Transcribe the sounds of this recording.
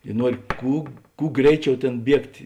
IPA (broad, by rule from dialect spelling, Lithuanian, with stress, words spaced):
ɪ ˈnuɔrʲɪ ˈkuː ˈkuː ˈɡrʲɛɪˌt͡ʃʲɛʊ ˈtʲeːn ˈbʲiɛktʲ